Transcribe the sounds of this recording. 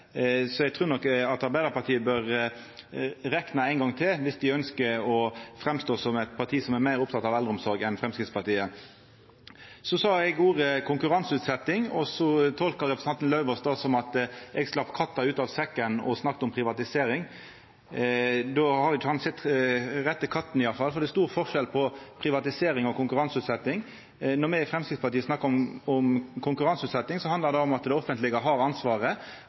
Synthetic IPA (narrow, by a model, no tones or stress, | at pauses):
sɔɛɡ̚t̪ʰɾʉːɾnɔkːɑt̪ɑɾbæɪd̪əɾpɑɾt̪ʰiːəbøɾ | ɾɛknəæɪnɡɑŋt̪ʰɪlʋɪsd̪ɪœnskəɔfɾɛmst̪oːsɔmɛt̪pʰɑt̪ʰiːsɔmæɾmæɪɾʊp̚t̪ʰɑt̪ɑʋɛld̪əɔmsɔɾɡɛnfɾɛmskɾɪtspʰɑɾt̪iːə | sɔsɑːɛɡuːɾəkʰʊŋkʉɾɑnsʉːt̪sɛt̪ːɪŋɔsɔt̪ʰɔlkəɾɛpɾsɑnt̪nlɑʉʋəsd̪ɑsɔmɑt̪ɛɡsklɑpːkʰɑt̪ːɑʉːt̪ɑːʋsɛkːənɔ̰snɑkt̪ɔmpʰʁɪʋɑt̪ɪseːɾɪŋ | d̪oːhɑɾɪt͡ʃːʊhɑnsɛt̪ːʁɛt̪ːəkʰɑt̪ːn̩ɪjɑfɑlfɔɾd̪ɛst̪uːʁfɔʁʂɛlpʰɔpʰɾɪʋɑt̪ɪseːɾɪŋɔkʰʊŋkʉɾɑnsʉːt̪sɛt̪ːɪŋ | nɔmɛfɾɛmskɾɪt̪spɑt̪iːəsnɑkːəɔmɔmkʰʊŋkʉʁɑnsʉːt̪sɛt̪ːɪŋsɔhɑnd̪ləɾd̪ɛɔmɑt̪d̪ɛɔfənt̪lɪɡəɦɑɾɑnsʋɑːʁə